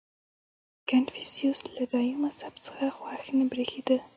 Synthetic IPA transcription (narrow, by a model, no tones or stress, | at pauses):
kanfisijuslad̪ɑjumasapt͡sə̥xaxwaxnebɾexed̪ə